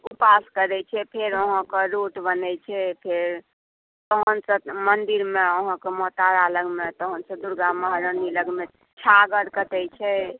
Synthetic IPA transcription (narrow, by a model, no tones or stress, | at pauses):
upaskəɾɛt͡ʃʰɛpʰeɾəɦə̃kəɾoʈbənɛt͡ʃʰɛpʰeɾ | t̪ɔɦənsə̃mənd̪iɾmeəɦə̃kemɔt̪aɾaləɡmet̪ɔɦənsə̃d̪uɾɡaməɦɾəniləɡme | t͡ʃʰaɡəɾkət̪ɛjt͡ʃʰɛ